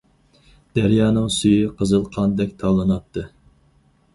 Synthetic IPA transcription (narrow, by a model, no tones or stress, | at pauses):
d̪̥æɾjɑːnɨŋsyjiqʰəzɨlˠqʰɑnd̪ɛkʲt̪ʰɑlˠɨnɑt̪ʰːɨ